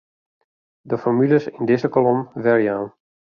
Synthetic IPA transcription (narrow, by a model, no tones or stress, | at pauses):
dəfɔmyləsɪndɪzəkɔlɔmʋɛrjaːn